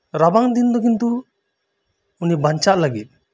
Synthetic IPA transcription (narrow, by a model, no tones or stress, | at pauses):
ɾabaŋd̪ind̪ɔkint̪u | unibaɲt͡ʃaʔlaɡit̪̚